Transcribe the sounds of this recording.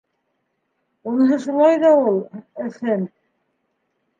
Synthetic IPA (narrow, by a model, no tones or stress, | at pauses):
unɦɤʃulˠɑjðɑulˠɘ̆θɘm